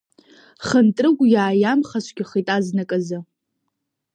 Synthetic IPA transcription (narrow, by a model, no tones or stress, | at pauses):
χəntʼrɨɡʷjaːjamχaʃʷɡʲɪχitʼaznakʼaza